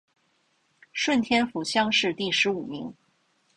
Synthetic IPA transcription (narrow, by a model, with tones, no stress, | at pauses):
ʂwə˥˩nt̪ʰjɛ˥nfu˨˩ɕjɑ˥ŋʂɻ̩˥˧t̪i˥˩ʂɻ̩˧˥u˨˩mi˧˥ŋ